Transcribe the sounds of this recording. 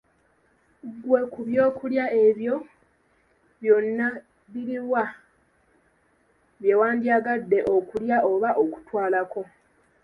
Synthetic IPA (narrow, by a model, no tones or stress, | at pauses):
ɡwe̞kuβjo̞ːkuljae̞βjo̞ | βjo̞nːa | βiɾiwa | βje̞waːndiaɡadːe̞ʔo̞kuljaʔo̞βaʔoku̥twaːlako̞